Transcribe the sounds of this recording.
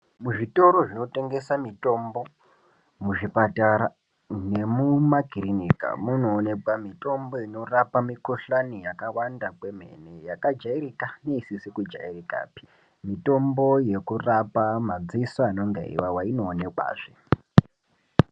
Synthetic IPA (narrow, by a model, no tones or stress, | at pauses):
muʐito̞ɾo̞ʐino̞te̞ŋɡe̞samito̞mbo̞ | muʐipataɾa | ne̞mumakirinika̰muno̞ːne̞kwamito̞mbo̞ino̞rapamikoɬanijakawandakwe̞m̤e̞̰ne̞jakad͡ʒaiɾikane̞isisikud͡ʒa̰irika̰ːpi̥ | mito̞mboje̞kurapamad͡zisaːno̞ŋɡḛḭwawaino̞ːne̞kwa̰ːʐe